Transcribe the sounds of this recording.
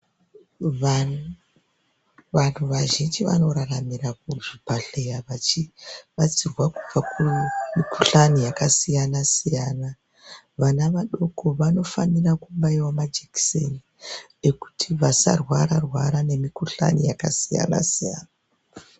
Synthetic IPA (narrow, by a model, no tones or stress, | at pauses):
a | ʋan̤uʋaʒind͡ʒiʋa̰no̞ɾaramirakuʐibʱaɬejaʋat͡ʃiʋat͡sirwakub͡vakumikuɬanijakasijanasijaːna | ʋanaʋaɗo̞ko̞ʋano̞fanirakumbaiwamad͡ʒekseni | e̞ku̥tʰiʋasa̰rwaɾarwaɾane̞mikuɬa̰nijaka̰sija̰na̰sija̰ːna